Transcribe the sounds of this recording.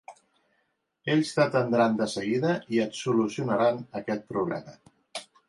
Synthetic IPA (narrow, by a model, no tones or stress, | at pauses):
eʎʲst̪ət̪ənd̪ɾand̪əsəɣiðəiət̪sulusiunəɾanəkɛt̪̚pɾuβlɛ̰mə